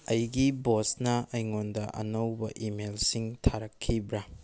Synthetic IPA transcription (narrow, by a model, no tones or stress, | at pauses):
ɐjɡibosnɐɐjŋondɐʔɐ̰nɐwbɐʔimelsiŋtʰaɾɐkʰːibɾɐ